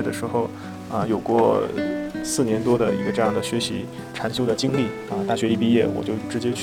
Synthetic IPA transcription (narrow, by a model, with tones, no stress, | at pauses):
d̪ə˩ʂɻ̩˧˥xo˥˧ʊ | ə̰˧jo˨˩ʊkwɔ˥˧˩ | sɹ̩˥˩njɛ˧˥nt̪wɔ˥d̪ə̰˨ḭ˧˥ɡə˧ʈ͡ʂɤ˥˧jɑ˥˩ŋd̪ə˩ɕɥɛ˧˥ɕḭ˧˥ | ʈ͡ʂʰa˧˥nɕjo˥ʊd̪ə˨˩t͡ɕi˥ŋli˥˩ | ə˧t̪a˥˩ɕɥɛ˧˥i˥˧˩pi˥jɛ˥˩wɔ̰˨˩t͡ɕjo˥˩ʊʈ͡ʂɻ̩˧˥t͡ɕjɛ˥t͡ɕʰ